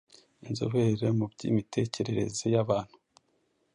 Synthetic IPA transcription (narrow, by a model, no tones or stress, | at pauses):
inzo̰βeɾemubɟḭmitʰe̞ce̞ɾeɾe̞̰zejaβaːn̥hu̥